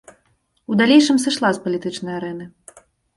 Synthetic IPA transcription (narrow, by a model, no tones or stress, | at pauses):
ud̪alʲejʂɨmsɨʂlˠaspɐlʲit̪ɨt͡ʂnɐjaɾɛnɨ